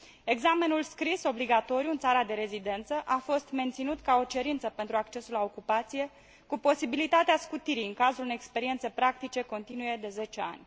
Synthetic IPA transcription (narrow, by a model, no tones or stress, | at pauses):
e̞ɡzame̞nulskɾiso̞bliɡat̪o̞ɾjuɨnt̪saɾad̪e̞ɾe̞zid̪e̞nt̪səʔafo̞st̪me̞nt̪sinut̪kao̞t͡ʃe̞ɾint̪səpe̞nt̪ɾuakt͡ʃe̞sulao̞kupat̪sije̞ | kupo̞sibilit̪at̪easkut̪iɾiɨŋkazulɨnekspe̞ɾient̪se̞pɾak̚t̪it͡ʃe̞ko̞nt̪inuje̞d̪e̞ze̞t͡ʃe̞a̰nʲ